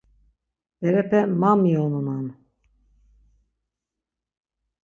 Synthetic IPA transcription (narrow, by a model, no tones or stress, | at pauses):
bɛɾɛpɛmamijonunan